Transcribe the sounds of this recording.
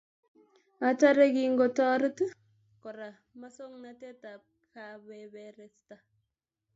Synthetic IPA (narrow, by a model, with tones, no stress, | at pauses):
a˨ta˦ɾe˦ɡi˨ŋɡo˨tɔ˦ɾə˦t | kɔ˨ɾa˨ | ma˦so˦ŋnate˦tap̚kabebeɾe˨sta˨